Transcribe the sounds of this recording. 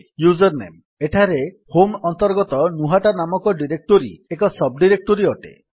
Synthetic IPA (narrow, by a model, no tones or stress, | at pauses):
jud͡ʒɔɾnḛm | eʈʰaɾe | homɔnt̪ɔɾɡɔt̪ɔnuɦaʈanamɔkɔɖiɾek̚ʈoɾḭekɔsɔb̚ɖiɾek̚ʈoɾiɔʈḛ